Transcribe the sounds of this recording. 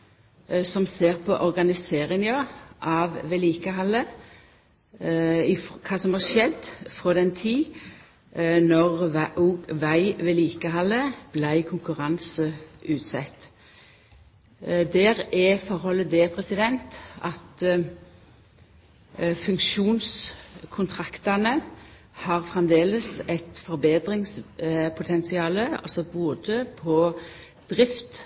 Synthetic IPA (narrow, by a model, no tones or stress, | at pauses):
sɔmseːʁpʰɔʔɔʁɡɑnɪseːʁɪŋjoːʔɑʋʋɛːliːkəɦɑlːə | ɪkʰɑːsɔmhɑʂɛd̪fʁoːd̪ɛnt̪ʰiː | nɔʁʔuːɡʋæɪʋɛliːkəhɑlːəb̥læɪkʰʊŋkʉʁɑnsəʔʉːt̪sɛt̪ː | d̪æːʁɛfɔʁhɔlːəd̪ɛpʰʁɛsɪd̪ɛnt̪ɑt̪ | fʉŋkʃuːnskʰʊnt̪ʰʁɑkt̪ɑnə | hɑːʁfʁɛmd̪eːləsɛt̪fɔʁbeːd̪ʁɪŋspʰʊt̪ʰɛnsɪɑːləɑ̰lsɔboːd̪əpʰɔ | d̪̥ʁɪft̪